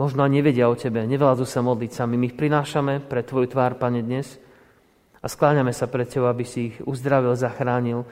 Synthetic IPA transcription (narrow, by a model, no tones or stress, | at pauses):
mɔʒnɔaɲɲɛʋɛɟɪaɔcɛbɛɲɛʋɛlazusamɔd̪litsamimiːxpɾinaːʃamɛpɾɛt̪ːʋɔjut̪ʋaːɾpaɲɛd̪ɲɛs | asklaːɲamɛsapɾɛt̪̚cɛbɔʊabisiːɣuzd̪ɾaʋilzaxɾaːɲil